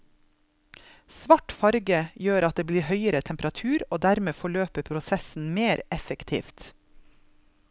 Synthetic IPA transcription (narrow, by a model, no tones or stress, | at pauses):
sʋɑʈfɑɾɡəjøːɾɑt̪̚d̪eːbliːhœʏəɾət̪ʰɛmpəɾɑt̪ʰʉːɾoːd̪æɾmeːfɔɭøːpəpʰɾʊsɛsn̩meːɾɛfəkt̪ʰḭːft̪